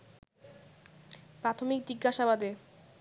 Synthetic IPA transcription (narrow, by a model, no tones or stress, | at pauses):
pɾat̪ʰomikd͡ʑiɡːaʃabad̪e